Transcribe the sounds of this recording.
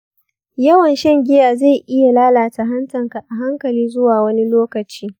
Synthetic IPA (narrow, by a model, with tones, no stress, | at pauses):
jɐ˦wɐ˨nʃɛ˦ŋɡʲɪ˦jaː˨za˦˨jʔɪ˦ja˨laː˦laː˨ta˨ɦɐ˦ntɐ˨ŋka˨ʔa˨ɦa˦ŋkɐ˨liː˦zʊ˦waː˨wɐ˦ni˦loː˦kɐ˨t͡ʃiː˦